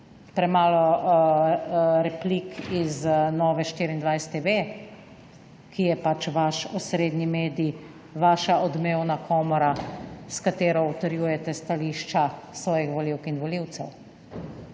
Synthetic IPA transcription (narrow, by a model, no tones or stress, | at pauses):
pɾɛmaːlɔ | ɾɛplikiznɔʋɛʃt̪iɾind̪ʋajst̪eʋe | kʰijɛpat͡ʃʋaʃɔsɾeːd̪nimeːd̪i | ʋaːʃaʔɔd̪meːwnakʰɔːmɔɾaskat̪eːɾɔut̪ɐɾjuːjɛt̪ɛst̪aliːʃt͡ʃasʋɔːjixʋɔliwkinʋɔliwt̪sɛw